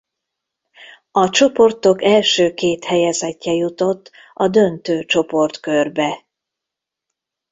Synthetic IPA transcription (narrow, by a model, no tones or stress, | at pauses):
ɒt͡ʃo̞po̞rt̪o̞kɛlʃøːkeːt̪hɛjɛzɛcːɛjut̪o̞t̪ː | ɒd̪ønt̪øːt͡ʃo̞po̞rt̪kørbɛ